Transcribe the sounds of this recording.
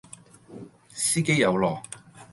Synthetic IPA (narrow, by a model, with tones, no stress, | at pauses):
siː˥ke˥jːɐ˨˧wlɔː˨˩k